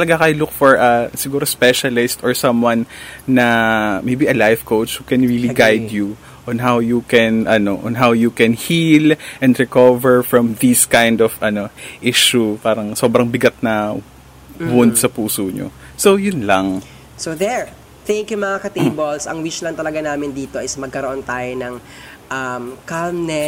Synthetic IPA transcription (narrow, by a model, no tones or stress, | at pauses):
t̪ɐlɐɡakɐjʊlʊkfɔɹʔɐsɪɡuːɾospɛʃɐlɪst̪ɔɹsɐ̃mwɐnːɐmejbiʔɐlajvkowt͡ʃhukɛnɹiliɡajd̪ju | ʔɔ̃nɦawjukɛnʔɐnoʔɔ̰̃nɦawjukɛnhilʔɛ̃nd̪ɹɛkovɛɹfɹɐ̃mðiskajnd̪ɔvʔɐnoʔiʃupaːɾɐŋso̞ːbɾɐŋbɪɡat̪̚nɐ | bʊnd̪̚sɐpuːsoɲo̰ | sojʊnlɐŋ | soðɛɹ | θɛŋkjumɐŋakɐt̪ebolsɐ̰ŋwiʃlɐŋt̪ɐlɐɡanaːmɪnd̪iːt̪oʔɪsmɐɡ̚kɐɾoʔont̪aːjonɐŋ | ʔɐmkamnɛ